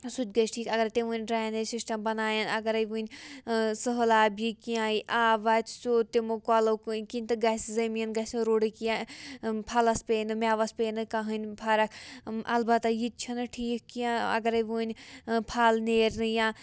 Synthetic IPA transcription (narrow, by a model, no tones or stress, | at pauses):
sut͡ʃɡɐsʈʰiːkɐɡɐɾt̪eʋuːnʲɖɾaːjnesisʈɐmbɐnaːjɐnɐɡɐɾɐjʋunʲ | sɨɦəlaːbikijãːiʔaːʋat̪ʰsoːt̪emokaːlokinʲt̪ɨɡɐszɐmijɐnɡɐsɾoːɽikiãpʰalɐspeːnɨmʲaːʋɐspeːnɨkaɦɨnʲpʰaːɾɐkʔɐ̰lbɐt̪ajit͡ʃʰɐnɨʈʰiːkkijãɐ̰ɡɐɾɐʋunʲpʰaːlneːɾnɨjãː